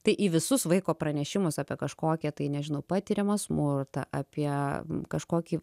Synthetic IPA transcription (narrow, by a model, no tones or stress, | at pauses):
t̪ɐɪʔiʋʲɪsʊsʋɐɪkoːpɾɐnʲɛʃʲɪmʊsaːpʲiɛkɐʃkoːkʲɛt̪ɐɪnʲɛʒʲɪnɐʊpɑːt̪ʲiːɾʲɛmɐsmʊrt̪ɐ̰ʔɐpʲiɛkɐʃkoːkʲiː